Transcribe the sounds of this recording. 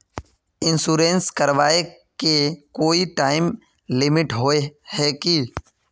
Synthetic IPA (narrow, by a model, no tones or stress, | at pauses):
ɪ̃nsuːɾeːnskəɾʋaːe | kekoːiʈaːɪm | lɪmɪʈɦoːehɛːkiː